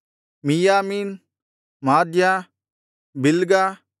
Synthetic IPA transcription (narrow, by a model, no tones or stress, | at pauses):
mijaːmiːn | maːd̪jãː | bɪlɡaː